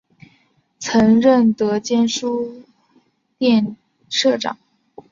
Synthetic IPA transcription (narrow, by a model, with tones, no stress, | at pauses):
t͡sʰɤ˧˥ŋɻə˥˩nt̪ɤ˧˥t͡ɕjɛ˥nʂu˥ | t̪jɛ˥˧n | ʂɤ˥˩ʈ͡ʂɑ̰˨˩˦ŋ